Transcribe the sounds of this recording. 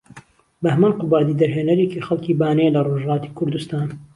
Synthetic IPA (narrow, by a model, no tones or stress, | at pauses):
bɐhmaːnqʊbaːd̪iːd̪ɐɾɦeːnɐɾeːcixɐlˠkibaːnelɐroʒlɑːt̪i̥kʰʊɾd̪ust̪aːn